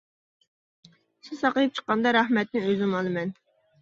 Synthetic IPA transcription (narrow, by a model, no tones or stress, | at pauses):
sɨsɑqəjip̚t͡ʃʰə̥qːɑnd̪ɑɾɑhmɛt̪nɪŋøzɪnɑlˠɨmɛn